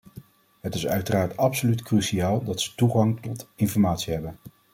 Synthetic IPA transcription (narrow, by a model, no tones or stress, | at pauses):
ɦətɪsœɥtəraːɹtɑpsolytkryʃiaːlˠdɑtsə̥tuχɑŋtɔtɪnfɔɹmaːtsiɦɛbən